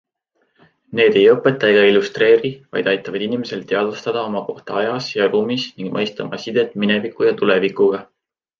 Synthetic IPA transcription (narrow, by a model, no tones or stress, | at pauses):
ne̞ːd̪̥e̞jɤpːˑe̞t̪ːˑɑeɡ̥ɑilust̪re̞ːɾivɑ̰jd̪ɑjt̪ːˑɑvɑd̪inʲimese̞lt̪ːe̞ɑd̪ust̪ɑd̪̥ɑo̞mɑko̞ht̪ɑɑjɑsjɑruːmisniŋɡ̥mʔɤjst̪ɑmʔɑ̰sid̪̥e̞t̪ːˑminevikːˑujɑt̪ule̞vikuɡ̥ɑ